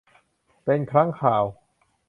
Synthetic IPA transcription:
pe˧nkʰɾa˦˥ŋkʰaː˨˩w

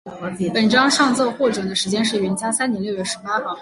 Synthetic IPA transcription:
pə˨˩nʈ͡ʂɑ˥ŋʂɑ˥˧ŋt͡sɔ˥˧ʊxwɔ˥˩ʈ͡ʂɤ˨˩d̪ə˦ʂɻ̩˧˥t͡ɕjɛ˥nʂ̬ɻ̩˥˩ɥɛ˧˥nt͡ɕja˥sa˥nt̪jɛ˧˥nljo˥˧ʊɥɛ˥˩ʂɻ̩˧˥pa˥xɑ˥˩

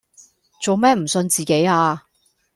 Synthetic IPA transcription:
t͡so˨wmɛː˥m̩˨˩sɵ˧nt͡siː˨ke˨˥jaː˧

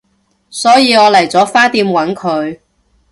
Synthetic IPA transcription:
sɔː˨˥jiː˨˧ɔː˨˧lɐ˨˩jt͡sɔː˨˥faː˥t̪iː˧mwɐ˨˥nkʰɵ˨˧ɥ

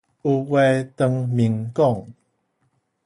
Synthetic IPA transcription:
u˧wɛ˧t̪ə˨˧ŋmi˨ŋkɔ˥˨ŋ

